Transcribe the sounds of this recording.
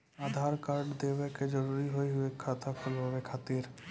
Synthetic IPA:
aːd̪ʱaːɾkaːɾɖd̪eːʋeked͡ʒəɾuːɾiɦoiɦʊekʰːat̪ʰakʰʊlɦoːɾekʰaːt̪iːɾ

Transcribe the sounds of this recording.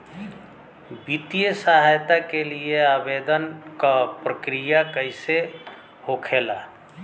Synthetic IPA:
bit̪ijəsaɦajt̪akelieabed̪ənkapɾəkɾijakəɪse | hokʰela

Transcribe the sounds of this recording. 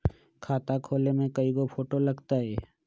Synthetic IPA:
kʰaːt̪akʰoːlemẽkɐiɡopʰoːʈolɐɡt̪aɦɛː

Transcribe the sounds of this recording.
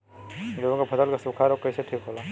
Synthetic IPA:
d͡ʒoɡõkapʰət̪əlkasukʰaɾokəiseʈʰiːkɦoːla

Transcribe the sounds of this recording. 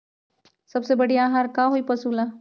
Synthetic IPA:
sɐbsebɐɽiaːɦaːɾkaɦoipɐsula

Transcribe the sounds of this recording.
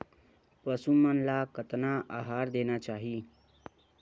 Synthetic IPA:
pəsumənlakət̪naʔaɦaɾd̪enat͡ʃaɦi

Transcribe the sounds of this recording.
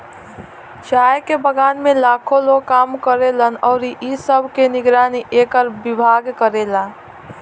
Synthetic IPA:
ʃaːjkebəɡaːnmẽlaːkʰõloːɡ̚kaːmkəɾelənɔːɾiʔisəbʱkenɪɡɾaːniʔeːkəɾbɪbʱaːɡkəɾeːlaː

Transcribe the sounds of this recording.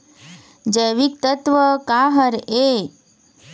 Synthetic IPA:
d͡ʒəjʋik̚t̪ət̪ʋəkaɦəɾe

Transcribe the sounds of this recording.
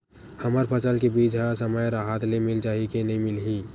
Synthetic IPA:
həməɾpʰət͡ʃəlkebiːd͡ʒɦasəməjɾaɦat̪lemɪlt͡ʃaːɦikenəɦĩmɪlɦiː

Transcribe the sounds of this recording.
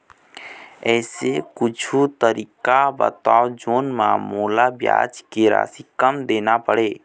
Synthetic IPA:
ɛːsekʊt͡ʃʰut̪əɾiːkabə̰t̪aːod͡ʒoːnmã̰ːmoːlabja̰ːd͡ʒkeɾa̰sikəmd̪eːnapəɽeː

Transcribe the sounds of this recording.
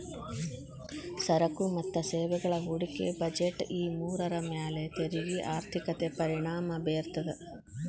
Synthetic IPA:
sɐɾɐkumɐt̪ːɐseːʋɛɡɐɭɐɦuɽikḛbɐd͡ʒeʈːiːmuːɾɐɾɐmjaːlet̪eɾiʋiʔaːɾt̪ʰikɐt̪epɐɾiɳaːmɐbeːɾt̪ɐd̪e

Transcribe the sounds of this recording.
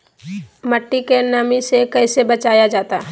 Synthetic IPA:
mɐʈːikenɐmisekɛɪsebɐt͡ʃaːjad͡ʒaːt̪a

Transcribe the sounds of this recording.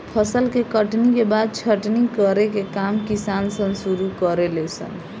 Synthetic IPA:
pʰəsəlkekəʈnikebad̪̚t͡ʃʰəʈnikəɾekekamkisansəŋsuɾukʌɾelesʰə̰n

